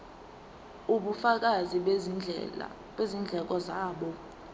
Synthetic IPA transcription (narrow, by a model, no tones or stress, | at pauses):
uɓufak̬ʼaziɓ̰ | wezind͡ɮʱɛk̬ʼɔzaːɓɔ